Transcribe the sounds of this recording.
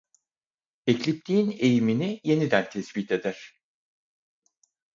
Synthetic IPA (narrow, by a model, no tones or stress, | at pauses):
eclʲip̚t̪ʰiːne̞jiminije̞nid̪ænt̪ʰɛsbit̪ʰe̞d̪æɾ̝̥